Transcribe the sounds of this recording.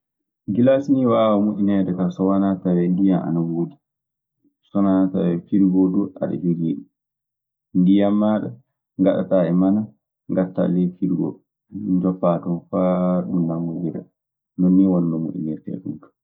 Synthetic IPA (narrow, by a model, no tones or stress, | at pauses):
ɡilasniwaʔawamuʔinɛɗɛtasɔwanatawɛndijamʔa̰nawoːdi | sɔnaata̰wɛfiɾɡɔduʔa̰ɗa̰d͡ʒoɡiːɗu | ndijamːaːɗa | ŋɡaɗa̰taɛmana | ŋɡatːa̰lɛfiɾɡɔ̰ | d͡ʒɔpːatɔfaɗundamːɔwiɾa̰ | nɔnːiwɔndɔmṵʔḭnɛɾtɛ̰ɗumkḁ